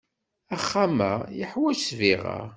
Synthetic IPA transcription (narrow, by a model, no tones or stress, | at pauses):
æχːamæ̰jəħwæʃsviʁa̰